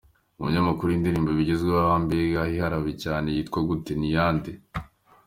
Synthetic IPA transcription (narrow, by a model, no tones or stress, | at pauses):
uβṵɲamakuɾuindiɾiːmboβiɟezɡweβaβaːmbeɡahihaɾaβicaːnejiːtkwaɡute̞nijaːnde